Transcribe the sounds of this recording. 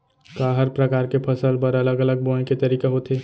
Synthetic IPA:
kaːɦəɾpɾɐkaːɾkepʰɐsəlpɐɾɐləɡɐləɡ̚bõːẽket̪ɐɾiːkeɦot̪eː

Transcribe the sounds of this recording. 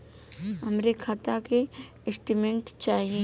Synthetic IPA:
ɐmɾekʰat̪ake | ɪsʈimẽɳʈt͡ʃaːɦie

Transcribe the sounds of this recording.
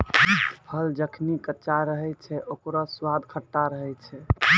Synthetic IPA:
pʰəld͡ʒəkʰnikət͡ʃaɾəɦɛt͡ʃʰɛʔokɾaswad̪kʰəʈːaɾəɦɛt͡ʃʰɛ

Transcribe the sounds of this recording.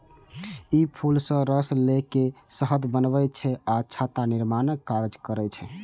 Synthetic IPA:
ipʰulsə̃ɾəslekesəɦəd̪bənbɛt͡ʃʰɛat͡ʃʰat̪aniɾmankːaɾd͡ʒkəɾɛt͡ʃʰɛ

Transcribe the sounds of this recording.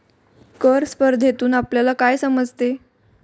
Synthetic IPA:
kəɾspəɾd̪ʱjet̪uːnapljalakajsəməd͡zt̪e

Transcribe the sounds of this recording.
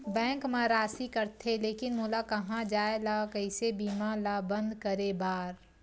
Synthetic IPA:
bɛ̃ːŋkmẽɾaːsikəɾt̪ʰeleːkɪnmolakɐɦãd͡ʒaːelakəɪsebiːmãlabə̃nd̪kəɾebaːɾ

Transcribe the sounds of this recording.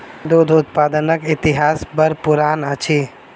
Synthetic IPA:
d̪od̪ʱʊt̪paːd̪ənəkɪt̪iɦaːsbəɾpuɾaːnət͡ʃʰi

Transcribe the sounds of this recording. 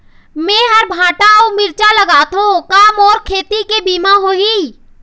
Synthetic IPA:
mẽːɦəɾbʱaːʈaomɪɾt͡ʃaləɡaːt̪õkaːmɔːɾkʰeːt̪ikebiːmaɦoiː

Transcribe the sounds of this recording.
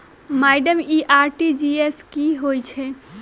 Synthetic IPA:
majɖəmiʔaɾʈid͡ʒieskiɦojt͡ʃʰɛ

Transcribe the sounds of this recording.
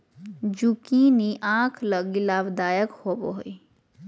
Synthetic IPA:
d͡ʒukiniʔãːkʰləɡilaːbd̪aːjəkhobo̰ɦoi

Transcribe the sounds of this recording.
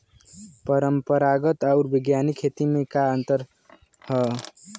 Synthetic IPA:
pəɾəmpəɾaɡət̪awɾbiɡjanikʰːet̪imekaənt̪əɾ | hʌ

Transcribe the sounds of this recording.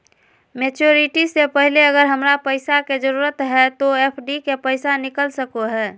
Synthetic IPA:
met͡ʃoɾiʈisepəɦileəɡəɾɦəmɾapəɪsaked͡ʒəɾuɾət̪ɦɛt̪oepʰɖikepəɪsanikəlsəkoɦɛː

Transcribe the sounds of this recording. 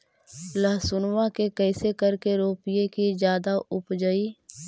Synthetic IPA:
ləɦsʊnwakekɛːsekɐɾkeɾoːpɪjekid͡ʒjaːd̪aʔʊpd͡ʒəiː

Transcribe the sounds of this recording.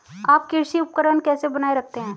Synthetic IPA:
aːp̚kɪɾʃiʊp̚kəɾənkɛːsebɐnaːeɾɐk̚ʰt̪eɦɛ̃ː

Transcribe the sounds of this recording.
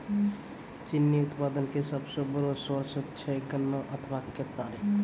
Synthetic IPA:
t͡ʃɪnːiʊt̪paːd̪ənkesəbsobəɾoswəɾsət͡ʃʰəkənːəʔət̪ʰʋakːət̪aːliː

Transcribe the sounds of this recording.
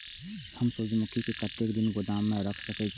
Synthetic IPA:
hɐmsʊd͡ʒmʊkʰikekɐt̪ekd̪ɪnɡʊd̪aːmːẽɾɐkʰsɐket͡ʃʰ

